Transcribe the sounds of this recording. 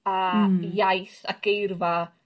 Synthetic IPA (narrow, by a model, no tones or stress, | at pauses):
ajajθaɡ̥ejrva